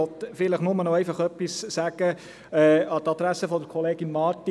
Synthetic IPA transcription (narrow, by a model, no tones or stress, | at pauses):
ɔt̪fɪləχnʊmənɔɛjfɑχœpːisːæɡ̥ə | ɛːɑt̪ɑd̪̥ɾæsəfɔd̪əɾkʰɔleːɡinmɑːɾt̪i